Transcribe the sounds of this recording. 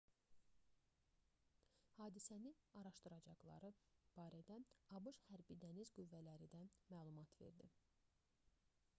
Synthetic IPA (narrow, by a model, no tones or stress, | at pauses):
hɑːd̪isæniɑɾɑʃt̪ɯɾɑd͡ʒɑɣlˠɑ̰ɾɯb̥ɑːɾæd̪æɑbɯʃhæɾbid̪ænizɡyvːælæɾid̪æmæːlˠumɑt̪ʰve̞̰ɾd̪ḭ